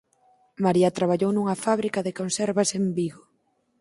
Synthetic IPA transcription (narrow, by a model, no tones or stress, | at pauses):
maɾiɐt̪ɾaβaʎownuŋɐfaβ̞ɾikɐðɪkonsɛɾβɐsembiɣo